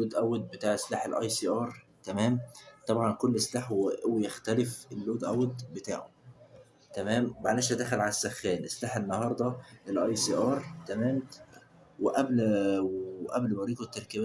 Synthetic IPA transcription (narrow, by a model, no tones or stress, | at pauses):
lːoːd̪ʔæwːed̪̚bet̪aːʕʔeslaːħelʔɑ̰jsiːʔɑːɾˤ | t̪æmæːmt̪ˤɑbʕɑnkolːʔeslaːħwewejæxt̪ælefelːoːd̪ʔæwːed̪bet̪a̰ːʕom | t̪æmæːmmaʕlæʃæd̪æxælʕalæsːæxːæːnʔeslaːħenːɑhɑːɾˤd̪ˤɑelʔɑjsiːʔɑːɾˤt̪æmæːm | weʔæblwʔæblmɑɾiːt̪ˤet̪ːɑɾˤkæbæ